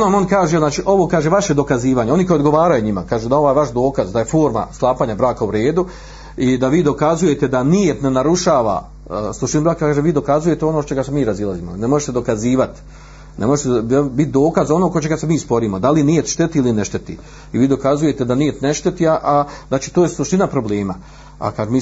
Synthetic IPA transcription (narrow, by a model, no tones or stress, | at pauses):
onamo̞nkaːʒeznaːt͡ʃiːʔo̞ʋoːkaːʒe̞ʋaʃje̞d̪o̞kaziːʋaːɲeo̞nikojod̪ɡo̞ʋaːɾajuɲimakaːʒuːd̪ao̞ʋaːjʋaʃd̪o̞ːkazd̪aje̞fo̞ːɾma̰slˠaːpaːɲabɾaːkauɾe̞ːd̪u | id̪aʋiːd̪o̞kazuje̞t̪e̞d̪anijet̪ne̞naɾuʃaːʋa̰ | sˠuʃt̪inubɾaːkkaːʒeʋiːd̪o̞kazuje̞t̪eo̞not͡ʃe̞ɡasemiːɾazilˠaziːmonemoʒet̪ed̪o̞kaziːʋat̪ | nemo̞ʒet̪ebit̪̚d̪o̞ːkazo̞nokot͡ʃe̞ɡasemiːspo̞ɾiːmo̞d̪alinijet̪ʃt̪et̪iilineʃt̪e̞t̪ḭ | iʋiːd̪o̞kazuje̞t̪e̞d̪anije̞t̪ne̞ʃt̪e̞t̪iaʔaznaːt͡ʃiːt̪oːjeslˠuʃt̪inapɾo̞bleːma | a̰kaːʒemiː